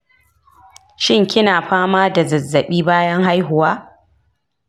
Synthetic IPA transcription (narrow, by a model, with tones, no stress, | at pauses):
ʃɪ˦ŋkʲɪ˦naː˨ɸaː˦maː˦da˨zɐ˨zːɐ˨ɓiː˦baː˦jɐ˦ŋɦa˦jɦʊ˨waː˦